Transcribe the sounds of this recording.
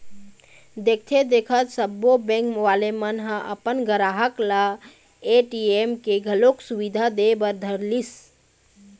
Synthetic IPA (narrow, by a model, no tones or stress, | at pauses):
d̪ek̚ʰt̪ʰed̪ekʰət̪səbːobɛ̃ŋkmwalemənɦə̃ʔə̰pənɡəɾaɦəkla | eʈiemkeɡʱəloksubid̪ʱad̪ebəɾd̪ʱəɾlis